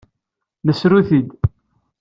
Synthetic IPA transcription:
nəsɾuθid̪

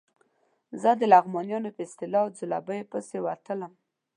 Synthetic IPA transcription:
zəd̪əlaɣmɑnjɑnopəɪst̪ɪlɑd͡zʊla̰bəjpəsewat̪ələm

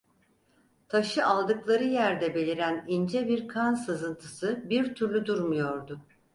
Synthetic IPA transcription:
t̪ʰaʃɯʔalˠd̪ɯklˠaɾɯjæɾd̪ɛbe̞lʲiɾænind͡ʒɛbiɾkʰansɯzɯnt̪ʰɯ̥sɯbiɾt̪ʰyɾlʲyd̪uɾmujo̞ɾd̪ʊ

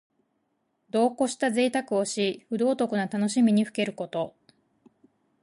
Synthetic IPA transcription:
d̪o̞ːko̞ɕi̥t̪aze̞ːt̪akɯ̟o̞ɕiɸɯ̟d̪o̞ːt̪o̞kɯ̟nat̪ano̞ɕimʲiɲ̟iɸɯ̟̥ke̞ɾɯ̟ko̞t̪o̞

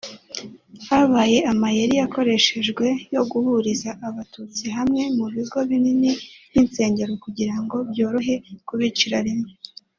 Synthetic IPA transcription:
haβaːje̞ʔamajeɾijako̞ɾe̞ʃe̞ʒɡwe̞jo̞ɡuhuɾizaʔːβatut͡siɦamŋe̞muβizɡoβininininse̞ːɲɟe̞ɾokuɟiɾaŋɡo̞bjoːɾoɦe̞kuβit͡ʃiɾaɾime

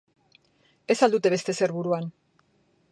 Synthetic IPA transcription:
e̞sald̪ut̪e̞βe̞st̪e̞se̞ɾβuɾuan

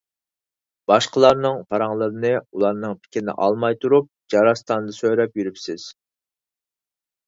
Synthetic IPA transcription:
b̥ɑʃqʰəlˠɑɾnɨŋpʰɑɾɑŋlˠəɾɨnɨulˠɑɾnɨŋpʰɪ̥kʲinɪ̰ʔɑlˠmɑjt̪ʰuɾup̚d͡ʒɑɾɑst̪ɑnɨd̪ɨsøjɾɛpjyɾypsɪz̥

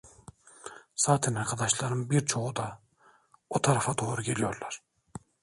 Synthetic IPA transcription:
sɑːt̪ʰinɑɾkʰɑd̪ɑʃlˠɑɾɯnbiɾt͡ʃʰoʁud̪ɑ | ot̪ʰɑɾɑfɑt̪ʰoːɾukʲʰelijo̰ɾlˠɑɾ̥

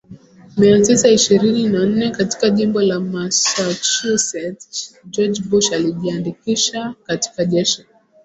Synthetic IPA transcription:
miatisaiʃiɾininan̩nɛkati̥kaʄimbɔlamasat͡ʃusɛtd͡ʒɔd͡ʒbuʃaliʄiandikiʃakati̥kaʄɛʃi̥

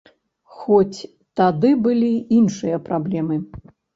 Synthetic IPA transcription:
xɔt͡sʲ | t̪ad̪ɨbɨlʲiinʂɨjɐpɾablʲɛmɨ

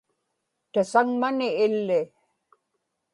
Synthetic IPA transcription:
t̪asaŋmanɪːlːɪ

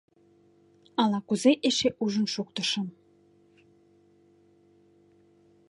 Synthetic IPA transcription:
ɑlɑkuzeʔeʃeʔuʒə̆nʃuk̚t̪ə̆ʃə̆m

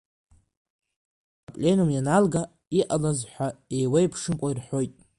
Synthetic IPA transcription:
apʼlʲe̞numjanalɡa | iʔalazħʷae̞jwejpʰʂɨnkʷʼairħʷo̞jtʼ

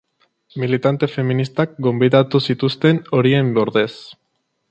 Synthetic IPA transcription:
milit̪ant̪e̞fe̞minist̪ak̚ɡo̞mbiðat̪usit̪ust̪e̞no̞ɾie̞mbeoɾðe̞s

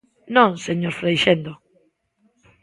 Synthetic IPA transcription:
nõŋseɲoɾfɾejʃend̪o

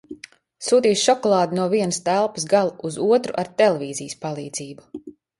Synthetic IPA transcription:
suːt̪iːsʃɔkɔlˠɑːd̪nuɔviɛnəst̪ælˠpə̥sɡalˠuʔuzuɔt̪ɾuʔaɾt̪ɛlˠɛviːzijəspalˠiːd̪z̥iːbu

